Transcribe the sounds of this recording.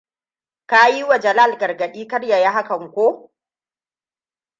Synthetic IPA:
ka˦ji˦wa˨d͡ʒɐ˨laː˦˨lɡɐ˨rɡɐ˨ɗiː˦kɐ˦rja˨ja˦ɦa˦kɐ˨ŋkʷoː˦

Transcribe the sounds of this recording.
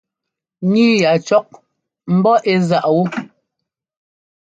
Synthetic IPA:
ɲi˦ja˨t͡ʃɔ˦k̚ | m̩˨˦bɔ˦ʔe˦za˦˨ʔwu˦

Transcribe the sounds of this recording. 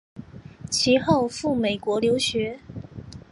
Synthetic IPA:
t͡ɕʰi˧˥xo˥˧ʊfu˥˩me˨˩ɪkwɔ˧˥ljo˧˥ʊɕɥɛ˧˥

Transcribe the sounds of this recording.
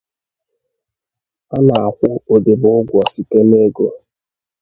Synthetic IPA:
a˦na˨a˨kʷʊ˦o˨de˨bʊ˨ʊ˦ɡʷɔ˨si˦te˦ne˦ɡo˨

